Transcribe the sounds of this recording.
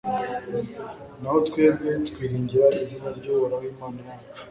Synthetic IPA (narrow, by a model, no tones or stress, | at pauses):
naho̞tkwe̞ːbɡe̞tkwiːɾiːɲɟiɾaizinaɾɟoβoɾawiːmaːna